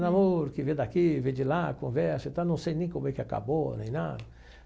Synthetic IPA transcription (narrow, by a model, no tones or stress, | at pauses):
namoɾkɪvẽd̪akivẽd͡ʒilakõvɛɾsɐt̪anɐ̃w̃sejnẽj̃kõmbekɪaka̰bonẽj̃na̰d̪ɐ